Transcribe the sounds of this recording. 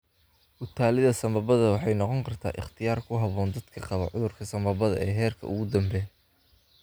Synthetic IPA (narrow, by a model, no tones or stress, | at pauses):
ʔʊt̪ʰaːlɪðɐsɐmɐbɐðɐwɑħɑjnɔqɔŋkʰɐrt̪ʰa̰ːʔɪ̰χt̪ʰɪjaːrkʰʊɦɐβɔːnd̪ɐd̪̥kʰɐqɑβɐʕʊðʊrkʰɐsɐmbɐbɐðɐ̰ɛːɦɛːrkʰɐ̰ʊɣʊd̪ɐmbɛ